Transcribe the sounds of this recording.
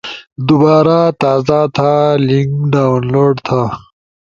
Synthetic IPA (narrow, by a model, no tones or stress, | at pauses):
d̪ubaːɾat̪aːzat̪ʰaliŋɡɖaːwnloɖt̪ʰa